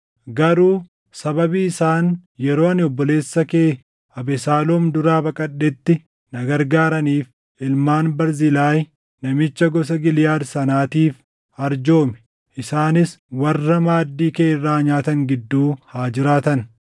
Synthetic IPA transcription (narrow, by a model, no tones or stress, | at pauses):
ɡɐɾuː | sɐbɐbiːɪsaːnjɛɾoːɐnɪɔbːɔle̞ːsːɐkeː | ɐbɛsaːloːmd̪ʊɾaːbɐkʼɐɗːɛt̪ːɪ | nɐɡɐɾɡaːɾɐniːf | ɪlmaːnbɐɾzɪlaːj | nɐmɪt͡ʃːɐɡɔs̬ɐɡɪljaːd̪sɐnaːt̪iːf | ɐɾd͡ʒo̞ːmɛ̥ | ʔɪsaːnɪswɐrːɐmaːd̪ːiːkeːɪrːaːɲaːt̪ɐŋɡɪd̪ːuːhaːd͡ʒɪɾaːt̪ɐn